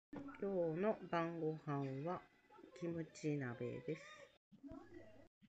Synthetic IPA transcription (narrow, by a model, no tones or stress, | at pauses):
kʲoːno̞bãŋɡo̞hãɰβa | kʲimɯ̟t͡ɕinabḛd̪e̞sɨ̥